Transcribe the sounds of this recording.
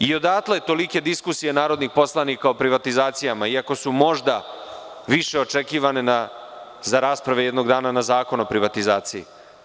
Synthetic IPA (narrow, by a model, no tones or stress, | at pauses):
io̞d̪aːt̪lajet̪o̞like̞d̪iskusije̞naːɾo̞d̪nixpo̞slˠanikao̞pɾiʋat̪izaːt̪sijamaiako̞sumo̞ʒd̪a | ʋiʃe̞ot͡ʃe̞kiːʋane̞nazaɾaːspɾaʋejɛd̪no̞ɡd̪aːnanazaːko̞nopɾiʋat̪izaːt̪sijḭ